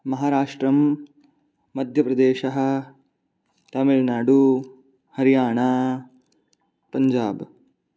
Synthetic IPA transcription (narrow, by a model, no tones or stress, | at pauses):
mɐɦaːɾaːʂʈɾɐm | ɐd̪ʱjɐpɾɐd̪eːʃɐɦɐ̆ | t̪ɐmilnaːɖu | hɐɾijaːɳaː | pɐɲd͡ʒaːb